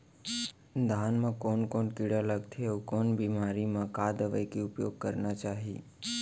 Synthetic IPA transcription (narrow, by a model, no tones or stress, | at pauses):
d̪ʱanmãkɔnkɔɳkiɽaləɡt̪ʰieukɔnbimaɾimãkad̪əʋəjkiʊpjoɡ̚kəɾnat͡ʃaɦi